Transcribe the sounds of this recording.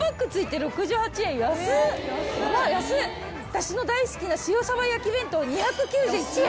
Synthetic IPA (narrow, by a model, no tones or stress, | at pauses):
akːɯ̟t͡sɨit̪e̞ɾo̞kɯ̟ʑɨːhat͡ɕiẽ̞ɰ̃jasɨ | majasɨ | at̪aɕino̞d̪aisɨ̥kʲinaɕijosaβajakʲibẽ̞nt̪oɲ̟içakɯ̟kʲɨːʑɨːit͡ɕi